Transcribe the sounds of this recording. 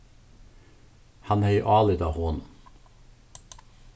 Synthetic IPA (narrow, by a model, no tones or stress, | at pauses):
hɑnhɛɪʔɑːlɪd̪ɑːhoːn